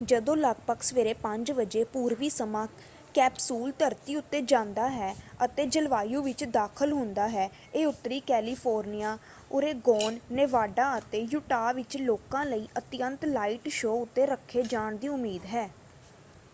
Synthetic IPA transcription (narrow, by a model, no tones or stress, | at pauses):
d͡ʒəd̪õːləɡ̚pəksʋeːɾeːpə̃ɲd͡ʒʋəd͡ʒeːpuːɾʋiːsəmãː | kɛːpsuːlt̪əɾt̪iːʊt̪ːeːd͡ʒãːnd̪aːɦɛːət̪eːd͡ʒəlʋaːjũːʋɪt͡ʃd̪aːkʰəlɦʊ̃nd̪aːɦɛː | eːʊt̪ːɾiːkɛːliːpʰoːɾnijaː | oːɾeːɡoːnːeːʋaːɖãːət̪eːjʊʈaːʋɪt͡ʃloːkãːləiːʔət̪ɪjənt̪laːiʈʃoːʊt̪ːeːɾəkʰːeːd͡ʒaːɳd̪iːʊmiːd̪ɦɛː